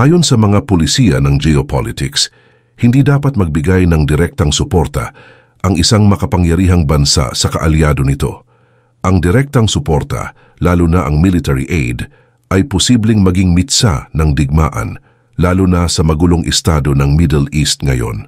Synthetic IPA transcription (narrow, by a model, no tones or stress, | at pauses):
ʔaːjo̞nsɐmɐŋapolɪsiːɐnɐŋd͡ʒɛopʰalɪt̪ɪks | hɪnd̪id̪aːpɐt̪̚mɐɡ̚bɪɡajnɐŋd̪ɪɾɛk̚t̪ɐŋsʊpo̞ɾt̪ɐ̰ | ʔɐŋʔɪsaŋmɐkɐpɐŋjɐɾiːɦɐŋbɐnsa̰sɐkɐ̰ʔɐljaːd̪o̞nɪt̪o̞̰ | ʔɐŋd̪ɪɾɛk̚t̪ɐŋsʊpoɾt̪ɐ̰ | laːlʊnɐʔɐŋmilɪt̪ɛɹḭʔḛjd̪ | ʔɐjposiːblɪŋmɐɡiŋmɪt̪sa̰nɐŋd̪ɪɡ̚ma̰ːʔɐ̰n | laːlʊnɐsɐmɐɡuːloŋʔɪst̪aːd̪onɐŋmid̪ɛlist̪̚ŋɐjo̞̰n